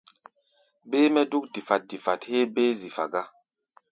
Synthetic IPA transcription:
beː˦mɛ˦du˦k̚di˨fa˨t̚di˨fa˨the˦beː˦zi˨fa̰˨ɡa˦

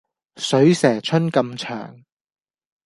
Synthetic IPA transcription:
sɵ˨˥ɥsɛː˨˩t͡ʃʰɵ˥nkɐ˧mt͡ʃʰœ̰ː˨˩ŋ

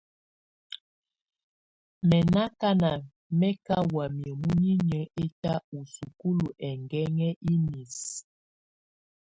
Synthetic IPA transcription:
mɛ˨na˦ka˦na˨ | mɛ˦ka˦wa˨mjə˨mu˦ɲi˦ɲə˦e˦ta˦u˨su˨ku˦lu˨ʔɛ˨ŋɡɛ˦ŋɛ˦ʔi˦ni˨s

